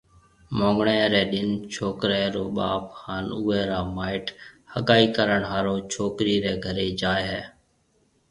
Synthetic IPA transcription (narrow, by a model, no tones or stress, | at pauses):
mõːŋɡɳɛːɾɛːɗɪnt͡ʃʰoːkɾɛːɾoːɓaːphaːnuːɛːɾaːmaːɪʈhəkaːiːkəɾəɳɦaːɾoːt͡ʃʰoːkɾiːɾɛːɡʱəɾeːd͡ʒaːeɦɛː